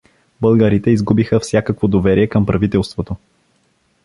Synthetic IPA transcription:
bəlˠɡəɾit̪ɛizɡubixəfsʲjakəkvod̪ovɛɾiɛkəmpɾɐvit̪ɛlˠst̪vot̪o

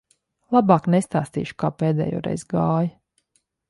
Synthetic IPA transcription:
lˠabaːknest̪aːst̪ḭːʃu̥kaːpeːd̪ɛ̰ːjo̰ːɾɛ̰jzɡaːj

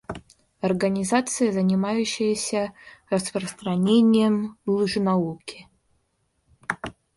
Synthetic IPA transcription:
ɐrɡənʲɪzat̪sɨjɐzənʲɪmajʉɕːɪjəsʲərɐspɾəst̪rɐnʲenʲɪjɛmlˠuʐɨnaukʲɪ

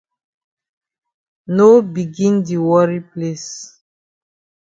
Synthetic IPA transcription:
nobiɡĩndiwɔɹiples

